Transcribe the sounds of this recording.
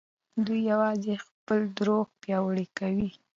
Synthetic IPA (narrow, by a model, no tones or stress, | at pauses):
d̪ujːawɑzexpəld̪ɾoɡpjɑwəɽikawi